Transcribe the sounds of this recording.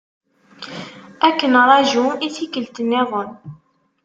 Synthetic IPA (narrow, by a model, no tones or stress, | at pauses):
ækːənɾˤɑʒuiθikəlt̪ənːɪʁən